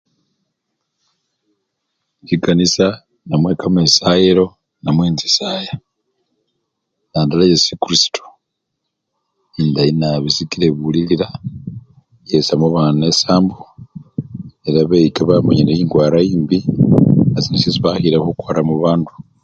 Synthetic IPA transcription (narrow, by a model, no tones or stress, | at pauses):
ciɡanisa | namweːkamesajeɾo̞ | namweːnzisaːja | jaːndalajesukuɾisi̥tu̥ | indainaβisikiɾeβuliliɾa | jesamoβaːnuesaːmbu | eɾaβejikaβamoɲinejiːŋɡwaːɾaiːmbi | azinisiziβaxiɾahukwaːɾamuβaːndu̥